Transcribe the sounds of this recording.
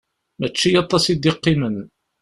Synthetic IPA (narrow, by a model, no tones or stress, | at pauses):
mæt͡ʃːijɑt̪ˤːɑsid̪iqːimən